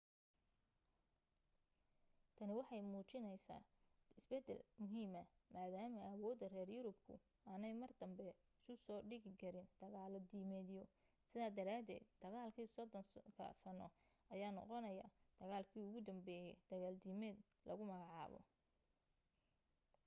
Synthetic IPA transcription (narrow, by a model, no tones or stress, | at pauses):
t̪ʰɐnɪwɑħɑjmuːt͡ʃɪnɛjsa̰ːɪsbɛd̪ɛ̰lmʊɦiːmɐmaːðaːmɐɐwɔːd̪ɐrɛːrjʊɾʊbkʰʊ̰ | aːnɛjmɐrd̪ɐmbɛ | ɪsʊsɔːɖɪɣɪkʰɐɾɪnd̪̥ɐɣaːld̪iːmɛːd̪jɔ | sɪðaːd̪ɐɾaːd̪ɛ̰ːd̪d̪̥ɐɣaːlkʰiːsɔd̪ɔnkʰɐ̰sɐnɔ | ʔɐjaːnɔ̰qɔnɐja̰d̪̥ɐɣaːlkʰiːʊɣʊd̪ɐmbɛːjɛd̪̥ɐɣaːld̪iːmɛːd̪ | lʔɐ̰ɣʊmɐɣɑʕɑ̰ːβɔ̰